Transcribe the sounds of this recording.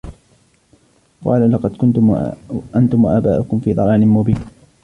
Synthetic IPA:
qɑ̰ːlalɑqɑd̪kʊnt̪ʊʔant̪ʊmwaʔaːbaːʔʊkʊmfiːd̪ˤɑɾɑːnɪnmʊbiːn

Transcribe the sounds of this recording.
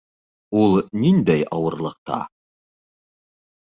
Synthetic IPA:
ulˠnind̪æjʔɑwɤ̆ɾlˠɤ̆q̚t̪ɑ̰

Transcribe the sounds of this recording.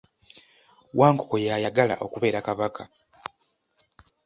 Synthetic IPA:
wʔaːŋkoko̞jajaɡala̰ʔo̞kuβe̞ːɾakaβakʰa

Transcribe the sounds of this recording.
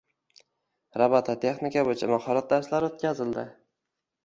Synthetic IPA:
ɾabat̪ʰat̪ʰe̞χnɪkʲabojɪt͡ʃʰamahɒɾat̪̚d̪aɾslaɾot̪̚kʲʰazɪld̪ɪ

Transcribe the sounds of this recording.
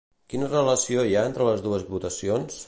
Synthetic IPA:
kinərələsiojaent̪ɾələzðuəzβut̪əsions

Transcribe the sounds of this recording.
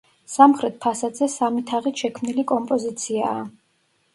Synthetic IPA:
samχɾɛt̪̚pʰasad̪zɛsamit̪ʰaʁit̪ʃɛkʰmnilikʼɔmpʼɔzit̪sʰiaː

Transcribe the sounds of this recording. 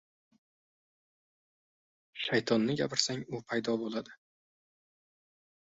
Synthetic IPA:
ʃajt̪ʰɒnːɪɡʲapʰɪɾsaŋʊpʰajd̪ɒbolˠad̪ɪ

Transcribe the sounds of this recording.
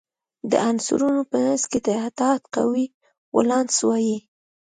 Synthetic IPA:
d̪ə̰ʔansṵɾunopənəsket̪aat̪ɑt̪qa̰wi | wa̰lɑnswɑji

